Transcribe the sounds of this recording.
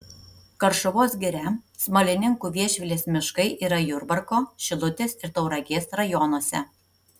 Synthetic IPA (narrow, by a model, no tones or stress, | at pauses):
kɐɾʃʊʋoːsɡʲɪɾʲɛsmɐlʲɪnʲɪŋkuːʋʲiɛʃʲʋʲɪlʲeːsmʲɪʃkɐɪʔiːɾɐjʊɾbɐɾkoːʃʲɪlˠʊt̪ʲesɪɾt̪ɐʊɾɐɡʲeːsɾɐjɔnoɔsʲɛ̰